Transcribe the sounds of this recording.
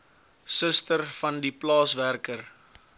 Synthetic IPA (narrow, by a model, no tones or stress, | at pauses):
səstərfɐndiplɑːsværkər